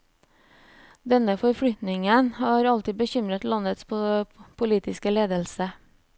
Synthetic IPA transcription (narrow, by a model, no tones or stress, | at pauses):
d̪ɛnəfɔɾfɽʏt̪nɪŋənhɑːɾɑlt̪ɪbəçʏmɾət̪lɑnət̪spʰpʰʊliːt̪ɪskəleːd̪əlsə